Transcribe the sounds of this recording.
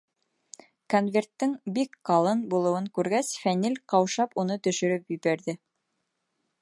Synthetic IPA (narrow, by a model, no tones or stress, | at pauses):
konvʲe̞rt̪ːɘŋbikqɑlˠɤnbulˠɤ̆wɤŋkʉɾɡæsfænilʲqɑwʃɑpunɤt̪ɵ̆ʃɵ̆ɾɵpjɵ̆bæɾðɘ